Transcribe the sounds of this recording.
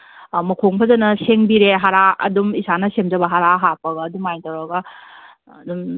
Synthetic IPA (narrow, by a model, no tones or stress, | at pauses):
mɐkʰoŋpʰɐzɐnɐseŋbiɾeɦaɾaɐ̰dumisanɐsemd͡ʒɐbɐɦaɾaɦapɐɡɐːdumajntawɾɐɡɐː | dum